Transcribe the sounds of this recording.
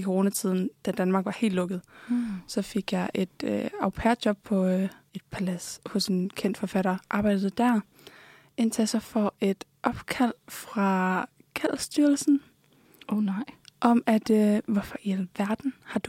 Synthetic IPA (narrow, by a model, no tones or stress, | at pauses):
ikʰo̝ʁo̝ːnæt͡sʰið̞̰ˠn̩d̥æd̥ænmɑ̈ːɡ̥ʋɑ̈he̝̰ːl̥lɔ̽ɡ̥ð̩ˠsɒ̽fe̝ɡ̥jɑ̈ɪʔe̝d̥øɑʊpʰæɐjɒ̽b̥̚pʰɒ̽e̝d̥̚pʰælæshɔ̽se̝nkʰen̰d̥fɒ̽fæɾ̥ɐʔɑ̈ːb̥ɑ̈ɪ̰d̥ð̩ˠd̥æɐ | e̝nt͡sʰesɑfɒʔe̝d̥ʔɒ̽b̥kʰæl̰fʁɑ̈ | kʰæl̰sd̥yɐlsn̩ | ʔɒ̽mæd̥øʋɒfɒelʋæɐd̥n̩hɑ̈d̥